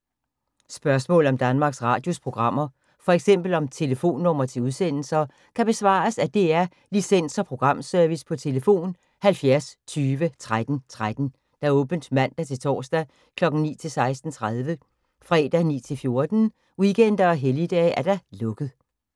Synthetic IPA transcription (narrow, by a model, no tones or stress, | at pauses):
sb̥ɶɐsmɔ̰̽ːlɒ̽md̥ænmɑ̈ːɡ̥sʁɑ̰̈ːd̥jo̝spʰʁo̝ɡ̥ʁɑ̈m̰ɐ | fɒ̽eɡ̥sem̰b̥l̩ɒ̽mt͡sʰe̝ləfo̝̰ːnːɔ̽m̰ɐt͡sʰe̝uð̞ˠsen̰l̩sɐ | kʰæb̥e̝sʋɑ̰̈ɐsæd̥e̝æɐ | lisen̰sɐpʰʁo̝ɡ̥ʁɑ̈m̰sœɐʋispʰɒ̽t͡sʰe̝ləfo̝̰ːn | hælfjæɐst͡sʰyːʋət͡sʰʁad̥n̩t͡sʰʁad̥n̩ | d̥æ̈ɔ̽ːb̥ən̩d̥mæn̰d̥æt͡sʰe̝lt͡sʰɒ̰ːsd̥æ | kʰlɒ̽ɡ̥n̩nḭːt͡sʰe̝lsɑ̈ɪsd̥n̩t͡sʰʁað̞ˠʋə | fʁɛ̰ːd̥ænḭːt͡sʰe̝lfjo̝ɐd̥n̩ | wikʰen̰d̥ɐɒ̽ɦelid̥ɛ̰ːæɐd̥ælɔ̽ɡ̥ð̞̩ˠ